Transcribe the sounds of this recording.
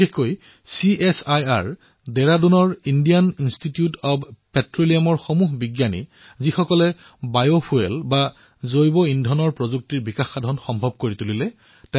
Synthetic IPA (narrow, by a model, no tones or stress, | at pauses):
biexkoj | siesajaɹ | dɛɹadunɔɹindijaninstitiutɔbpɛtɹoliamɔɹxɔmuɦbiɡjanḭ | zixɔkɔlɛ | bajopʰuelba | zojbɔindʱɔnɔɹpɹɔzuk̚tiɹbikaxːadʱɔnxɔmbʱɔb̚koɹitulilɛ | tɛ